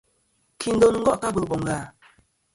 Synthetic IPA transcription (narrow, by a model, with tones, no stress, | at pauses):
kʰi˨n˦do˨n˨ŋ̩˦ɡɔ˦ʔka˦bə˨bɔ˨ŋ˨ɡa˨